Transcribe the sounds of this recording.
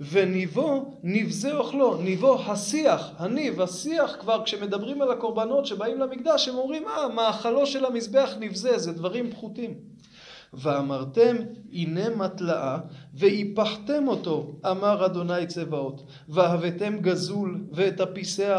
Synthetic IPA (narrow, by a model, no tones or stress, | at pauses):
ve̞nivonivzeoχlo̞nivo̞hasiaχhanivhasiaχkvaʁkʃe̞me̞d̪abʁimalako̞ʁbano̞tʃe̞baimlamikd̪aʃemo̞mʁimamaːχalo̞ʃe̞lamisbe̞aχnivzezed̪vaʁimpχutim | veamaʁt̪e̞mine̞matlaʔave̞hipaħte̞mo̞to̞ʔamaʁad̪o̞najt͡se̞vao̞t | veavete̞mɡazulveːthapisea